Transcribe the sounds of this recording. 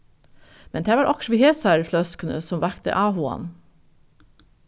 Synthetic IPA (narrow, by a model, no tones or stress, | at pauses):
mɛnd̪ʰæːʋɑːɾʔɑkʃʋiːheːsæɾflœskənə̰sɔmʋækt̪ə̰ʔɑːhuɑ̰n